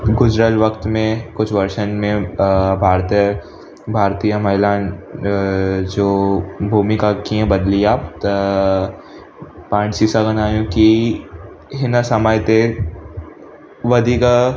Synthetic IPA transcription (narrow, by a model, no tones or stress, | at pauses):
ɡʊd͡ʒɾaːt̪ʋɐkt̪mẽkʊt͡ʃʰʋɐɾʃənmẽbʱaːɾt̪iə | bʱaːɾt̪ijamɐɦɪlaːn | d͡ʒoːbʱuːmikakiɦɛ̃bɐd̪liaːpt̪ | pãːsiːsaɡənaːjõki | ɦɪnasɐməjt̪e | ʋɐd̪ʱika